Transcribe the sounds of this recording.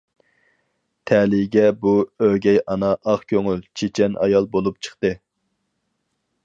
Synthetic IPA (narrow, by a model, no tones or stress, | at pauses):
t̪ʰɛliɡʲɛbuøɡʲɛjɑnɑʔɑχkʲøŋylt͡ʃʰet͡ʃʰɛnʔɑ̰jɑlˠbolˠupt͡ʃʰə̥χt̪ɨ